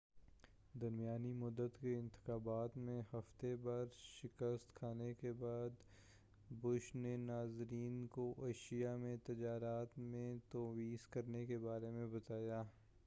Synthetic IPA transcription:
d̪ɐɾmijaːnimʊd̪ːət̪keɪ̃nt̪ɪ̥xaːbaːt̪mẽhɐft̪ebaːɾʃɪkəst̪kʰaːnekebaːd̪ | bʊʃnenaːzɾiːnkoʔeːʃijamẽt̪ɐd͡ʒaːɾaːt̪mẽt̪oːwiːskɐɾnekebaːɾemẽbɐt̪aːjaː

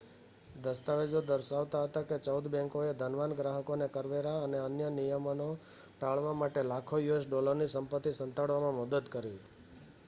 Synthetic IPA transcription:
d̪əst̪aʋed͡ʒod̪əɾʃaʋt̪aɦət̪aket͡ʃəwd̪bɛ̃ŋkoed̪ʱənʋanɡɾaɦəkonekəɾʋeɾaəneənjənijəməno | ʈaɭʋamaʈelakʰojuesɖɔləɾnisəmpət̪ːisənt̪aɭʋamãməd̪əd̪kəɾi

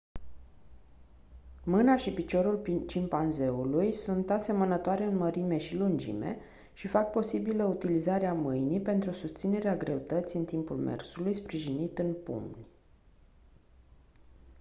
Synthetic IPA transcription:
mɨnaʃipit͡ʃo̞ɾulpit͡ʃimpanze̞ulujsunt̪ase̞mənət̪oaɾe̞ɨnməɾime̞ʃilund͡ʒḭme̞̰ | ʃifak̚po̞sibiləut̪ilizaɾeamɨjnipe̞nt̪ɾusust̪sine̞ɾeaɡɾe̞ut̪ət̪sijɨnt̪impulmḛrsulujspɾiʒinit̪ɨnpṵmnʲ

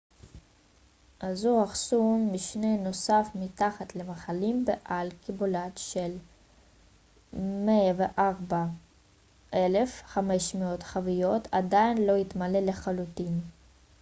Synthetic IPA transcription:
ʔazuaχsunmiʃneno̞safmit̪aχat̪lemaχalimbeʔalkibolat̪ʃel | meaveʔaʁba | ʔelefχame̞ʃmeo̞t̪χavijo̞t̪ʰad̪ainlo̞it̪maleleχalut̪in

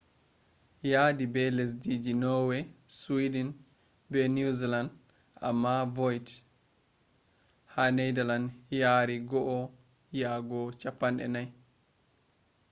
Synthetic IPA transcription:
jadibɛles̬did͡ʒinɔwɛswidin | bɛnuziland | a̰mːavɔjt | hanejdalanjaːɾiɡɔʔɔ | jaːɡɔt͡ʃapːanɗɛ̰naj

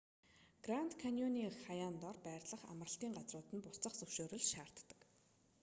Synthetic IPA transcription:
ɡ̥ran̥t̪kʰanjɔniːχajaːnt̪ɔrpæːrɮə̆χa̰mə̆rə̆ɬt̪iːŋɢat͡srʊːt̪ɘ̆npʊt͡sə̆χt͡sɵwʃoːɾɵ̆ɮʃaːr̥t̪ːə̥̆k

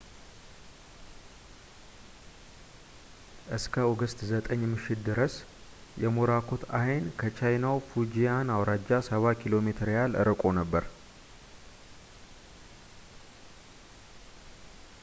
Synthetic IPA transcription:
ʔɨskʰəoɡəst̪zət̪ʼəɲːmɨʃːɪt̪̚d̪ɨɾəs | jɛmoɾakʰo̞t̪ʰajnkʰət͡ʃʰajnawfud͡ʒijanawɾad͡ʒasəβakʰilo̞me̞t̪ʰɨɾjalɨ̰ɾɨkʼo̞nəbːəɾ

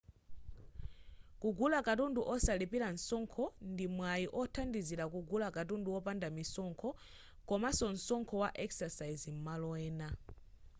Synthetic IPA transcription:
kuɡulakatunduʔɔsalipilan̩sɔŋkʰɔndimwajiʔɔtʰandizilak̬uɡulakat̬unduɔpandamisɔŋkʰɔ | kɔmasɔn̩sɔŋkʰɔwaʔɛksasaizim̩malɔɛːna

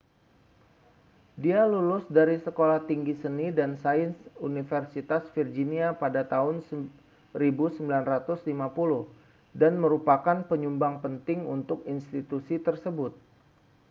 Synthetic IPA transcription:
dialulʊsdaɾisəkolaht̪iŋɡisənidansaɪnsunifərsit̪asfird͡ʒiniapadat̪aɦʊns | ribusəmbilanrat̪ʊslimapulʊh | danməɾupakanpəɲumbaŋpənt̪ɪŋṵnt̪ʊkinst̪it̪usit̪ərsəbʊt̪̚

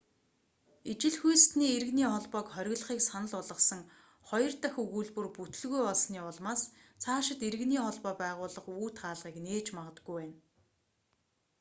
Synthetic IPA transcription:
it͡ɕɪ̆ɮxujst̪niːeɾɘɣniːχɔɮpɔːkχœɾʲɪ̆ɣɮə̆χiːksanə̆ɮʊɮə̆sə̆ŋ | χɔjɞ̆rt̪axuɣuːɮpɵ̆rput̪ɘ̆ɮɣujɔɮsniːʊɮmaːst͡sʰaːʃɪ̆t̪eɾɘ̆ɣniːχɔɮpɔːpæːʁʊːɮə̆χuːt̪ɢaːɮʁiːkneːt͡ɕmaʁə̆t̪ɡ̥ujwæːn

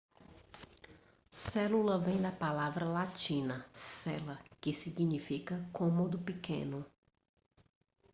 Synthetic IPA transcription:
sɛlulɐvẽj̃d̪ɐpalavɾɐlat͡ʃĩnɐsɛlɐkɪsiɡinifikɐkõmod̪ʊpikḛ̃nʊ

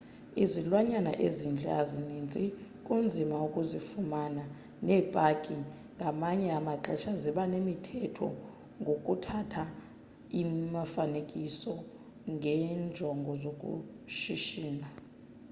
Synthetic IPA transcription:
izilwaɲana̰ʔezind͡ɮʱa̰zinind͡zʱikʼund͡zʱimaukʼuzifumana | nɛːb̥ʼakʼi | ŋɡʱamaɲɛamaǁɛʃaziɓanemitʰɛtʰɔ̰ | ŋɡʱokʼutʰatʰa | imafanekʼisɔ | ŋɡʱɛnd͡ʒʱɔŋɡʱɔzokʼṵ | ʃiʃiːna

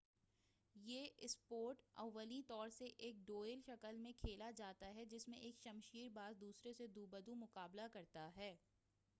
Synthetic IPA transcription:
jeːʔɪspoːɾʈɐ̰ʋːəlit̪ɔːɾseʔeːk̚ɖoːɪlʃɐkəlmẽkʰeːlad͡ʒaːt̪aɦɛd͡ʒɪsmẽʔeːkʃɐmʃiːɾbaːzd̪uːsɾesed̪uːbəd̪umʊkaːblakɐɾt̪aɦɛː

